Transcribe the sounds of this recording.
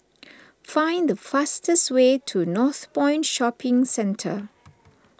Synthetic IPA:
fãɪ̃nd̪əfastəstweːtʰunɔθpɔ̃ɪ̃ntʃɔpɪ̃ŋsɛ̃ntʰə̰

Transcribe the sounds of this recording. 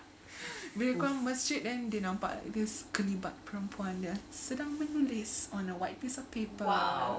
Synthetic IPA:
widəkɔɹãŋməsd͡ʒit̚dɛ̃ndenãwpa̰ʔa̰k̚dɪskəlibat̚pəɹə̃mpʰuãndəsədãŋmənulisɔ̃nəwajt̚pisɔfpepə

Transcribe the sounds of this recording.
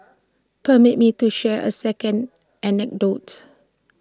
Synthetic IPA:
pəmit̚mituʃɛʔə̰sɛkə̃nd | ʔɛnɛk̚dot

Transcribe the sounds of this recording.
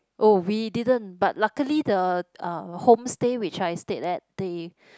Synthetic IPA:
ʔowididə̃nbat̚lakəlidəʌ̃hõmstewit͡ʃajstetɛt̚d̥e

